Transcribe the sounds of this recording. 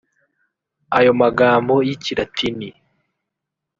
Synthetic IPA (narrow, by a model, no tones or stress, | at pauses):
ajo̞maɡaːmbojiciɾatʰini